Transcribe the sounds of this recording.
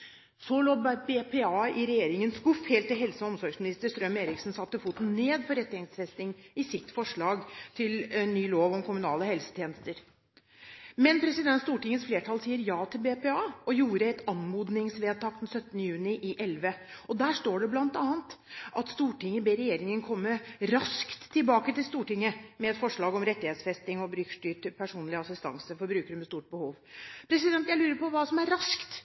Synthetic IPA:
sɔloːbepeɑːɪɾɛjeːɾɪŋənsɡʊfheːlt̪ːɪlɦɛlsəɔmsɔɾɡsmɪnɪst̪əɾst̪ɾœmeːɾɪksn̩sɑt̪ːəfuːt̪n̩neːd̪pɔɾɛt̪ːɪɛŋsfɛst̪ɪŋɪsɪt̪ːfɔʂɭɑːɡt̪ʰɪlɛnːyːloːʋɔmkʰʊmʉnɑːləhɛlsə̥t̪ʰjeːnəst̪əɾ | mɛnpʰɾɛsɪd̪ɛnst̪uːʈɪŋːənsfleːʈʰɑlsiːəɾjɑːt̪ʰɪlbeːpɛːɑːʔɔjuːɾəɛt̪ɑnmuːd̪nɪŋsʋeːd̪̚t̪ɑːk̚d̪ɛnsœt̪ːənəjʉːnɪʔɪʔɛlʋəɔd̪æːʂʈoːɖɛblɑnt̪ɑːənt̪ʔɑt̪st̪uːʈɪŋːəbeːɾɛjeːɾɪŋənkʰɔmːəɾɑskt̪ʰːɪlbɑːkət̪ɪlst̪uːʈɪŋːəmɛɛt̪fɔʂɭɑːɡɔmɾɛt̪ːɪheːt̪sfɛst̪ɪŋɔbɾʏkʂʈyːʈpʰæʂuːnlɪɑsɪst̪ɑ̰ŋsəfɔɾbɾʉːkəɾəmɛst̪uːʈ̚bəhuːʋpʰɾɛsɪd̪ɛnt̪jæɪlʉːɾəpɔʋɑːsɔmæɾɾɑskt̪

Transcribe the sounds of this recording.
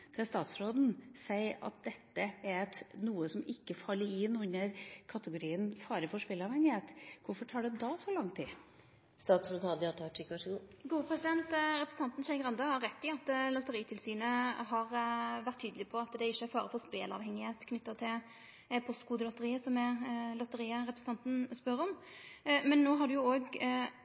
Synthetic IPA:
d̪̥ʰɛst̪ɑːt̪sɾoːd̪n̩sæɪɑ̰t̪̚d̪ɛt̪ːəɛɾt̪nuːəsɔmɪkːəfɑlːəɾɪnʉnːəɾkʰɑt̪əɡʊɾiːənfɑːɾəfɔʂpeːlɑʋhɛŋːɪheːt̪kʊɾfɔʈʰɑːɖɛd̪ɑsɔlɑŋt̪ʰːiː | st̪ɑːt̪sɾoːd̪hɑd̪ɪɑt̪ʰɑʈɪkʋɑʂəɡuːɡuːəpʰɾɛsɪd̪ɛnt̪ɾɛpɾəsn̩ɑnt̪n̩ʃɛɪŋɡʁɑnd̪ɑhɑɾːɛt̪ʰːɪɑt̪lɔt̪ːəɾiːt̪ʰɪlsyːnəɦɑɾʋæɾt̪ʰːyːd̪əlɪpʰɔɑt̪d̪ɛɪʃːəæɾfɑːɾəfɔɾspeːlɑ̰ʋhɛŋːɪheːt̪kʰnʏt̪ːət̪ʰɪl | pʰɔst̪kuːd̪əlɔt̪ːəɾiːəsɔmɛlɔt̪əɾiːəɾɛpɾəsn̩ʰɑnt̪n̩spœɾɔm | mɛnːoːɦɑɖʉjʊoːɡ

